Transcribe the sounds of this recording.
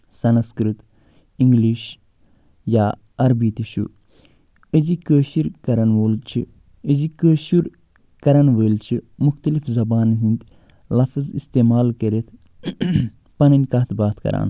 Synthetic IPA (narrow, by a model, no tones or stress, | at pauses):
sɐnskɾɨt̪ | iŋɡliːʃ | jaː | ɐɾbiːt̪iʃṵ | əzikəːʃiɾkɐɾɐnʋoːlt͡ʃʰi | əzikəːʃuɾ | kɐɾɐnʋəːlt͡ʃʰimuxt̪ɐlifzɐbaːnɦind̪ | lɐfzḭst̪eːmaːlkɐɾet̪ʰ | pɐnɐnʲkɐt̪ʰbaːt̪ʰkɐ̰ɾʔa̰ːn